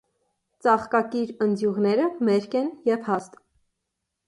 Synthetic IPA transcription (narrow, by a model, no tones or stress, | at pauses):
t͡sɑχkɑkiɾənd͡zjuʁnɛɾəmɛɾkɛnjɛvhɑst̪